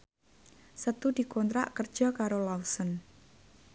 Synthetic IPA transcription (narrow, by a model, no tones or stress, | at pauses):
sət̪ud̪̥i̤kɔnt̪ɾa̰ʔkər̥ʒ̥ɔ̤kaɾolausən